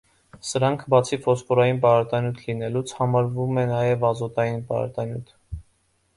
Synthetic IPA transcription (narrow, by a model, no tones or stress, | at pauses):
səɾɑŋkʰbɑt͡sʰifɔskɔɾɑjinpɑɾɑt̪ɑnjut̪ʰlinɛlut͡sʰhɑmɑɾvumɛnɑjɛvɑzɔt̪ɑjinpɑ̰ɾɑ̰t̪ɑnjut̪ʰ